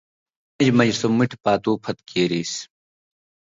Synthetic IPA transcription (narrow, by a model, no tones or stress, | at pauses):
mɐd͡ʑmɐd͡ʑsomiʈʰpaːt̪uːpʰɐt̪keːɾiːs